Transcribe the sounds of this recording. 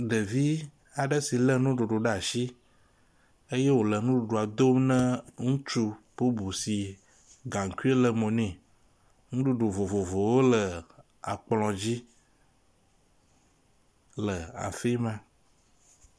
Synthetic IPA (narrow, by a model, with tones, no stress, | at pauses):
ɖə˨vi˦ | a˨ɖə˦si˨lə˦nũ˦ɖo˨ɖo˨ɖə˦a˨ʃi˦ | e˦je˦wo˨lə˨nũ˦ɖu˨ɖo˨a˨d̪o˦mnə̃˦ŋũ˦t͡ʃu˦po˦bu˨si˨ | ɡã˨ŋ̩˨ku˦e˦lə˨mõ˨nɛ̃˨ | ŋũ˦ɖu˦˨ɖo˨vo˨vo˨vo˨wo˦lə˨ | a̰˨k͡plɔ̃˨d͡ʑi˦ | lə˨a̰˨fe˦mã˦